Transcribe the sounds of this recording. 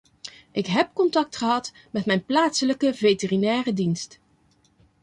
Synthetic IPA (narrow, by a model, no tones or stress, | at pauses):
ʔɪkɦɛp̚kɔntɑk̚tχəɦɑt | mɛtmɛjnplaːtsələkəvetərinɛːrədinst